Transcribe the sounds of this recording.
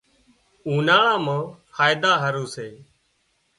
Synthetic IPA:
ũːnaːɭãːmãːkʰaːjɪd̪aːɦəɾuːseː

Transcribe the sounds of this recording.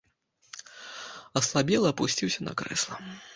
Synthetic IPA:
ɐslˠabʲɛlˠɐːpusʲt͡sʲiwsʲɐnɐ̰kɾɛ̰slˠɐ

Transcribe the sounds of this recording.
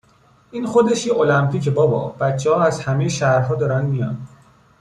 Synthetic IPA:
ʔiːnxo̞d̪eʃjeʔolæmpʰiːcʰebɒːbɒ̰b̥æt̪t͡ʃʰːehɒːæzhæmejeʃæhɾɦɒːd̪ɒːɾænd̪mijɒnd̪

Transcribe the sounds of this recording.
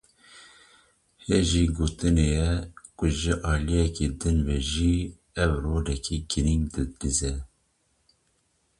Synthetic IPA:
heʒiɡoːt̪ɨnejɛkʊʒɨʔɑːlijɛked̪ɨnvɛʒi | ɛwroːd̪ɛkʰiɡiɾiŋd̪ɨd̪izɛ

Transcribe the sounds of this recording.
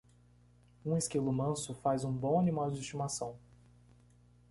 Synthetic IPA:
ũeskelʊmɐ̃sʊfazũbõw̃animawd͡ʒɪist͡ʃimasɐ̃w̃

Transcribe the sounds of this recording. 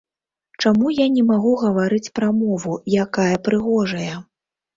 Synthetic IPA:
t͡ʂamujanʲɛmaɣuɣɐvaɾɨt͡sʲpɾɐmɔvujakajɐpɾɨɣɔʐɐjɐ

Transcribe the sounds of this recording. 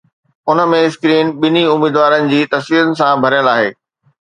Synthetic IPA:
ʊnə̆mẽskɾiːnɓɪniʊmiːd̪ʋaːɾənɪ̆d͡ʑiːt̪ɐsʋiːɾənɪ̆sãbʱɐɾijə̃laːɦeː

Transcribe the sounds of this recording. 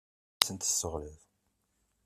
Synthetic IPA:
t͡sːənt̪əsːəʁləð

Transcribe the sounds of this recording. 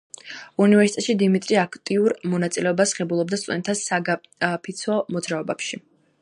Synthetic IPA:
univɛɾsit̪ʼɛt̪ʃid̪imit̪ʼɾiakʰt̪ʼiuɾmɔnat̪sʼilɛɔbasχɛbulˠɔb̚d̪ast̪ʼunɛt̪ʰasaɡa | pʰit̪sʰɔmɔd̪zɾaɔbapʃi

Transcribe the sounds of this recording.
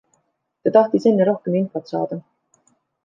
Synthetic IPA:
t̪ɑt̪ɑht̪ise̞nːeɾo̞hkeminfot̪sɑ̰ːd̪̥ɑ

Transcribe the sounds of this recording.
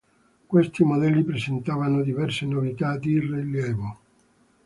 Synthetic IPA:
kwest̪imod̪ɛlːipɾezent̪aːvanod̪ivɛrsenovit̪ad̪iriljɛːvo

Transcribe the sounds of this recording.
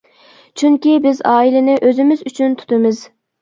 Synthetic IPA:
t͡ʃʰyŋkʲibɪzɑːilɪnɪʔøzɪmɪzyt͡ʃʰynt̪ʰu̥t̪ɨmɨz

